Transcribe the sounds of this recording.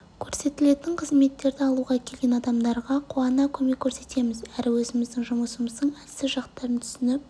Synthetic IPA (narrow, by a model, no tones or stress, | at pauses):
kʲʰɵɾse̞t̪ɪle̞t̪ɪɴqʰəzme̞t̪ːe̞ɾd̪ɪɑlˠuʁɑkʲʰe̞lɡʲe̞nɑd̪ɑmd̪ɑɾʁɑqʰuɑnɑkʲʰɵme̞kʲʰːɵɾse̞t̪e̞mɪzæɾɪwɵzɪmɪzd̪ɪŋʒʊməsəməzd̪əɴæsɪʒɑqt̪ːɑɾənt̪ʰʏ̥sɪnɪp̚